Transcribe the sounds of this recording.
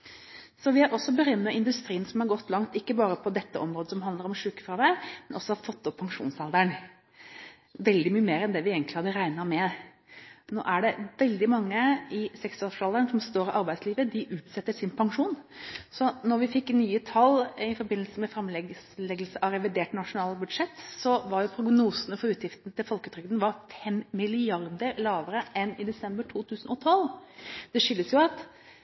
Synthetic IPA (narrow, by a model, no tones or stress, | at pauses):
sɔʋɪæɾʔɔsːɔbəɾœmːəɪnd̪ʉst̪ɾiːənsɔmhɑɾɡɔt̪ːlɑŋt̪ɪkːəbɑːɾəpʰɔd̪ɛt̪ːəʔɔmɾoːd̪əsɔmɦɑnd̪əɾɔmʂʉːkəfɾɑʋ̪æɾmɛnʔɔsːɔhɑɾfɔt̪ːɔpʰːɑŋʂṵːnsɑld̪əɳ | ʋɛld̪ɪmyːəmeːɾɛnd̪ɛʋɪeːɡənlɪhɑd̪əɾæɪnɑmɛ | no̰ːʔæɖɛʋɛld̪ɪmɑŋːəɪsɛksɑlfɑld̪əɳsɔmst̪oːɾɪʔɑɾbæɪsliːʋəd̪ɪʔʉːt̪sɛt̪ːəʂɪnpʰɑŋʂuːnsɔnɔɾʋɪfɪkːnyːət̪ʰɑlɪfɔɾbɪnl̩səmɛfɾɛmlɛ | lɛɡəl̩səʔɑɾɛʋɪd̪eːʈnɑʂʊnɑːlbʉd̪ʂɛt̪ːsɔʋɑɾjʊpʰɾʊɡnuːsənəfɔɾʉːt̪jɪft̪nt̪ʰɪlfɔlkət̪ɾʏɡd̪nʋɑɾfɛmːɪlɪɑɾd̪əɾlɑːʋəɾəʔɛnɪd̪ɛsɛmbəʈʰuːt̪ʰʉːsənɔt̪ʰɔlːd̪̥ɛʂʏlːəsjʊɑt̪